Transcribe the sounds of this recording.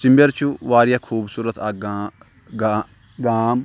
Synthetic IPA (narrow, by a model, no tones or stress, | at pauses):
t͡ʃɪmbəɾt͡ʃʰuʋaːɾjaːkʰuːbsuːɾət̪aː | ɡaːm